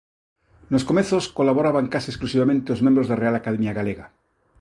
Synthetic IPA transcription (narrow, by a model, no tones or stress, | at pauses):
noskomeθoskolaβoɾaβaŋkasiesklusiβamẽnt̪eozmjẽmbɾozðerealakaðemjaɣaleɣa